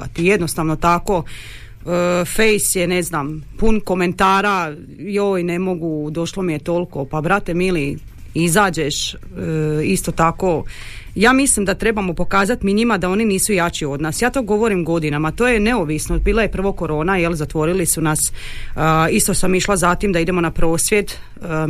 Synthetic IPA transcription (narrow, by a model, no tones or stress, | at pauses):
kat̪ije̞d̪no̞st̪aʋno̞t̪ako̞ | fejsjene̞znampunko̞me̞nt̪aːɾa | joːjne̞mo̞ɡud̪o̞ʃlˠo̞mije̞t̪o̞lˠko̞pabɾat̪e̞mili | izaːd͡ʑeʃ | ist̪o̞t̪ako̞ | jaːmislimd̪at̪ɾe̞bamo̞po̞kaːzat̪miɲimad̪ao̞niniːsujat͡ʃio̞d̪naːsjaːt̪o̞ːɡo̞ʋo̞ɾimɡo̞d̪inamat̪oːje̞ne̞oʋisnobiːlaje̞pr̩ʋoko̞ɾo̞ːnajelˠzat̪ʋo̞ɾilisunas | ist̪osamiʃlˠazat̪imd̪aid̪e̞mo̞napɾo̞ːsʋʲje̞d̪ | ə